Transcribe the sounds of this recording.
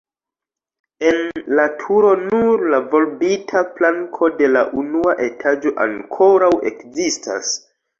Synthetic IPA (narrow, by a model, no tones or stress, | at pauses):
e̞nlatʰuɾo̞nuɾlavo̞lbitʰaplaŋkʰo̞de̞la̰ʔunuaʔe̞tʰad͡ʒo̞ʔa̰ŋkʰo̞ɾawe̞̰kzistʰa̰s